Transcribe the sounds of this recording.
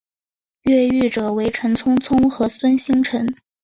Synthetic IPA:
ɥɛ˥˧y˥˩ʈ͡ʂɤ˨˩we˧˥ɪʈ͡ʂʰɤ˧˥ŋt͡sʰʊ˥ŋt͡sʰʊ˥ŋxɤ˧˥swə˥nɕi˥ŋʈ͡ʂʰə˧˥n

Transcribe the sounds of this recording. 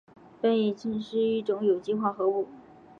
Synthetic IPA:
pə˥˩ni˨˩t͡ɕʰi˥nʂɻ̩˥˧i˥˩ʈ͡ʂʊ˧˥ŋjo˨˩ʊt͡ɕi˥xwa˥˩xɤ˧˥u˥˩

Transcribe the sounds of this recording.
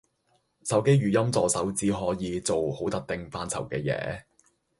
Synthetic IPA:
sɐ˨˥wke˥jɥyː˨jɐ˥mt͡sɔː˨sɐ˨˥wt͡siː˧ɦɔː˨˥jiː˨˧t͡so˨who˨˥wt̪ɐ˨k̚t̪ɪ˨ŋfaː˧nt͡sʰɐ̰˨˩wkɛː˧jɛ̰ː˨˧˥

